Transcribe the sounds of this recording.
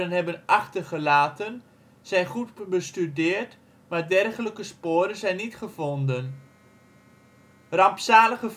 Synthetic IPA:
ənɦɛbənɑχtərχəlaːtən | z̥ɛjnχutbəstydɪːərt | maːrdɛrχələkəspoːɾənzɛjnːitχəvondən | rɑmpsaːləχə

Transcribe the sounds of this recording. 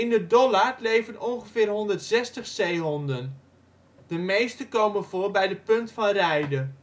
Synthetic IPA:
ɪndədɔlarlejvənɔnχəvɪːrɦɔndərtsɛstəχsejɦɔndən | dəmejstəkowmənvʊːrbɛjdəpɵntfɑnrɛjdə

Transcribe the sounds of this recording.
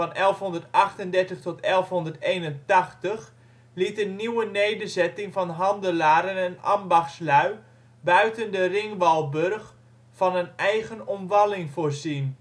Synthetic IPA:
ɑnɛlˠfɦɔndərtɑχtəndɛɹtəχtɔtɛlˠfɦɔndərtejnəntɑχtəχ | litdənnːiwənejdərzɛtɪŋfɑnɦɑndəlaːɾənɛnɑ̰mbɑχslœɥ | bœɥtəndərɪŋʋɑlˠbørχ | fɑnənɛjɣənɔmʋɑlɪŋvoːrzin

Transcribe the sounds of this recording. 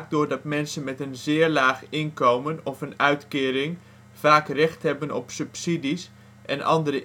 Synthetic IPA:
k̚dʊːɹdɑtmɛnsənmɛtənzɪːɹlaːχɪnkowmənɔfənœɥtkɪːɾɪŋ | v̥aːkrɛχtɦɛbənɔ̰psɵpsidis | ʔɛnʔɑ̰ndəɾə

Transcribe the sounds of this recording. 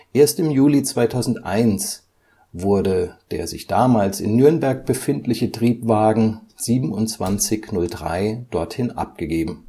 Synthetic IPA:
ʔeːɐstɪmjuːlit͡sv̥aɪtʰaʊzn̩tʔa̰ɪns | vʊɐdəd̥ḛːɐzɪ̰çd̥aːmaːlsɪ̰nːyɐnbɛɐk̚b̥əfɪntlɪçətʁ̥iːpv̥aːɡŋ̩z̥iːbm̩ʊnt͡sv̥ant͡sɪçnʊldʁa̰ɪd̥ɔɐthɪnʔa̰p̚ɡ̥əɡeːbm̩

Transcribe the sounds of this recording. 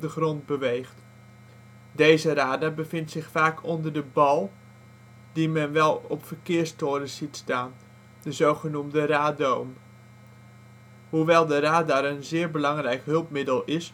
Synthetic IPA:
dəχrɔnd̚bəʋejχt | dejzəɾaːdaːbəvɪntsɪχfaːkʰɔndəɹdəbɑlˠ | dimɛnʋɛlˠɔpfəɹkɪːɹstʊːɾəz̥itstaːn | dəzowχənumdəraːdowm | ɦuʋɛlˠdəraːdaɾənzɪːɹbəlɑŋrɛjkɦɵlˠpmɪdəlˠɪs

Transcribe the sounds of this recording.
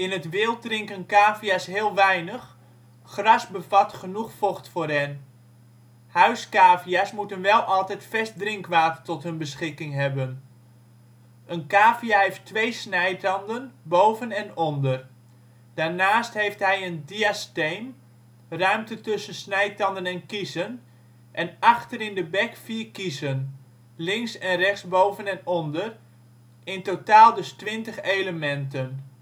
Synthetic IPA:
ɪnətʋɪːlˠt̚drɪŋkənkaːfiasɦɪːlˠʋɛjnəχ | χrɑsbəvɑtχənuχfɔχtfʊːrɦɛn | hœɥskaːviasmutənʋɛlˠʔɑlˠtɛjtfɛst̚drɪŋkʋaːtətɔtɦənbəsχɪkɪŋɦɛbən | ʔənkaːfiaɦejftʋejsnɛjtɑndənbowvənɛnɔndər | d̥aːɹnaːstɦejftɦɛjəndiastejn | rœɥmtətʏsənsnɛjtɑndənɛnkisən | ʔɛnɑχtəɾɪndəbɛkfiːrkisən | lɪŋsɛnrɛχsbowvənɛnɔndər | ɪntotaːlˠdɵstʋɪntəχejləmɛntən

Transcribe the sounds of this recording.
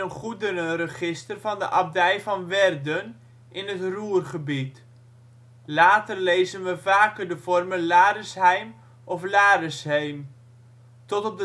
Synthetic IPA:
ənχudənərəχɪstərvɑndə̰ʔɑb̚dɛjvɑnʋɛrdən | ʔɪnətruːrχəbit | laːtərlejzənʋəvaːkərdəv̥ɔrmənlaːɾəsɦɛjm | ʔɔflaːɾəsɦejm | tɔtɔb̚də

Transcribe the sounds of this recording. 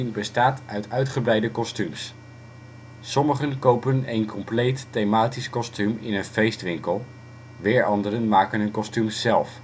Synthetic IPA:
nbəstaːtœɥtœɥtχəbrɛjdəkɔstyms | sɔməχənkowpənejnkɔmplejtːejmaːtiskɔstymɪ̰nənfejstʋɪŋkəlˠ | ʋɪːɹʔɑndərənmaːkənɦənkɔstymzɛlˠf

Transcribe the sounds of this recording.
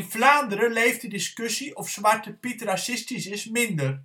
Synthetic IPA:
ɪnvlaːndəɾəlejftdədɪskøsiʔɔfsʋartəpitrasɪstisɪsmɪndər

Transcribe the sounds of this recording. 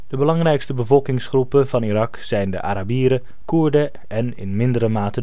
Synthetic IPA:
d̥əbəlɑŋrɛjkstəbəvɔlˠkɪŋsχrupəvɑnirɑksɛjndə̰ʔa̰ːɾabiːɾə | kuɹdə | ʔɛnɪ̰nmɪndəɾəmaːtə

